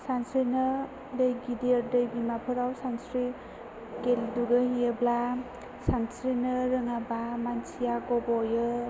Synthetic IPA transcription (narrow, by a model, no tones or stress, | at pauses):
sansɾinɯ | dɯjɡidiɾdɯjɡimapʰɯɾawsansɾi | kelduɡɯhijɯbla | sansɾinɯɾɯŋabamansʰijaɡɔbɔjɯ